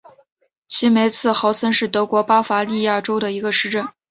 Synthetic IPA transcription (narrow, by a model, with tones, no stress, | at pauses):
t͡ɕʰi˧˥me˧˥ɪt͡sʰɹ̩˥˩xɑ˧˥ʊsə˥nʂɻ̩˥˩t̪ɤ˧˥kwɔ˧˥pa˥fa˧˥li˥˧ja˥˩ʈ͡ʂo˥ʊd̪ə˨˩i˧˥ɡə˧ʂɻ̩˥˧ʈ͡ʂə˥˩n